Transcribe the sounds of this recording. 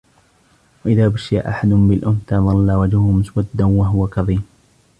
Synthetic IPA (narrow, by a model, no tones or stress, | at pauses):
waʔɪðaːbaʃjaʔaħad̪ʊmbɪlʔʊmt̪aðˤɑlːawad͡ʒhʊhʊmʊswad̪ːanwaɦʊwakɑðˤiːm